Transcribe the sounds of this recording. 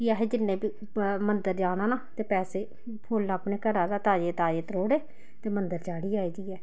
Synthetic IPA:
kiaːɦeːd͡ʒɪnːẽːbiː | mənd̪əɾd͡ʒaːnaːnaːt̪eːpɛːseː | pʰoːlːaːpneːkəɾaːd̪aːt̪aːd͡ʒeːt̪aːd͡ʒeːt̪ɾoːɽeː | t̪eːmənd̪əɾt͡ʃaːɽiːaːiːd͡ʒiːɛː

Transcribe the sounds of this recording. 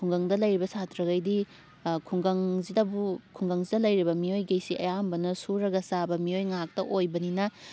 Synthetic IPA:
kʰuŋɡɐŋdɐlɐjɾibɐsatɾɐɡɐjdi | kʰuŋɡɐŋzidɐbukʰuŋɡɐŋzidɐlɐjɾibɐmiojɡejsiʔɐ̰jambɐnɐsuɾɐɡɐsabɐmijojŋak̚tɐʔojbɐninɐ

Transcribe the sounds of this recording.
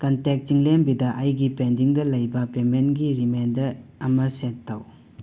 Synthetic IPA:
kɐntek̚tiŋlembidɐʔɐjɡipendiŋdɐlɐjbɐpemenɡiɾimendɐɾɐmɐsetːɐw

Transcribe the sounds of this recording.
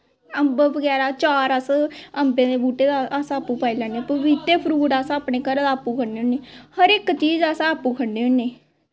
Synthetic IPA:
əmbəʋəɡɛːɾaːt͡ʃaːɾəsəmbẽːd̪eːbuːʈeːd̪aasãːpːuːpaːiːlɛːneːpuʋit̪eːpʰəɾuːɽaːsãːpɳeːkəɾd̪aːpːuːkʰəɽnːeːʊneːhəɾɪkt͡ʃiːd͡ʒaːsãəpuːkʰəɽneːʊneː

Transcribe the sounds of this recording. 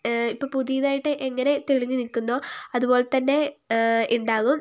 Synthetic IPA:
ipːoːpuðijɐðaːjiʈːɨʔeŋːɐne̞t̪eɻiɲːɨnikːunːo̞ːɐðubo̞ːle̞t̪ɐnːe̞ʔiɳɖaːɣum

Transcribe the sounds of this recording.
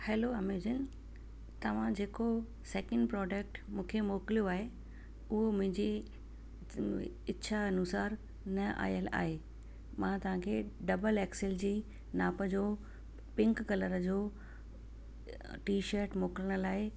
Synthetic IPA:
hɛːloɐmid͡ʑən | t̪ɐʋ̤ãd͡ʑeːko | seːkə̃ɳɖpɾɔːɖək̚ʈmũːkʰemoːklijoaːɦe | ʊɦomʊ̃ɦɪ̃ɲd͡ʑe | ɪt͡ɕʰaɐnusaːɾ | nɐʔa̰ːijəla̰ːɦeː | mãt̪ɐʋ̤ãkʰeɖɐbəlɛːksɪld͡ʑiː | naːpəd͡ʑoː | pɪ̃ŋkkɐləɾəd͡ʑoː | ʈiːʃəɾʈmoːkɪləɽ̃əlaːɦe

